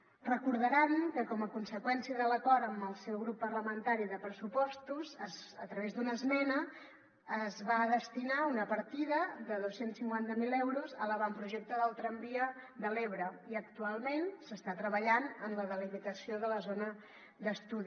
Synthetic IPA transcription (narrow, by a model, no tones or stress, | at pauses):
rəkuɾð̞əɾankəkɔməkunsəkwɛnsiəðələkɔɾəmbəlˠsɛwɣɾupːərləmənt̪aɾiðəpɾəsupɔst̪uzəzət̪ɾəβezd̪unəzmɛnəː | zβaðəst̪inaunəpəɾt̪iðəðəðosensiŋkwant̪əmilɛwɾuzələβampɾuʒɛk̚t̪əðəlˠt̪ɾəmbiəd̪əleβɾəiək̚t̪ualˠmensəst̪at̪ɾəβəʎanənləðəlimit̪əsioðələzonə | d̪əst̪uði